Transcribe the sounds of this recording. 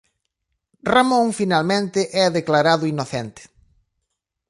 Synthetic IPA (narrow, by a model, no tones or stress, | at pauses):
ramõŋfinalmẽnt̪ɪʔɛaðeklaɾaðʊinoθent̪ɪ̥